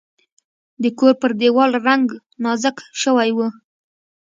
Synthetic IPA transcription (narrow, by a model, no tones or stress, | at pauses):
d̪əkoɾpəɾd̪ewɑlɾaŋɡ | nɑzəkʃəwajwu